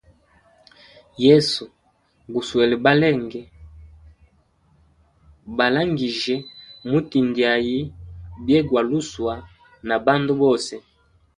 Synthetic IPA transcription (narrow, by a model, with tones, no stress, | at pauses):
jɛ˦su˨ | ɡu˨swɛ˨lɛ˨ba˦lɛ˦˨ŋɡɛ˨ | ba˨la˦ŋɡi˨ʒɛ˨mu˦ti˨ndi˨a˨ji˦bjɛ˦ɡwa˨lu˦swa˨ | na˨ba˦ndu˦bɔ˦˨sɛ˨